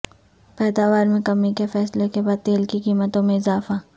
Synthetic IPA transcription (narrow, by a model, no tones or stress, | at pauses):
pɛːd̪aːʋaːɾmẽkɐmːikefɛːslekebaːd̪̚t̪eːlkikiːmət̪õmẽɪzaːfa